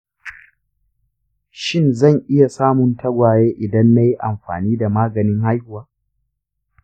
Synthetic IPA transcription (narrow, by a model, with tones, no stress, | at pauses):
ʃɪ˦nzɐ˦˨ŋʔɪ˦ja˨saː˦mʊ˨ntʰa˦ɡʷaː˨jeː˦ʔɪ˨dɐ˦nːa˦ji˦ʔa˨mɸa̰ː˨niː˦da˨maː˦ɡɐ˨nɪ˦ŋha˦jhʊ˨waː˦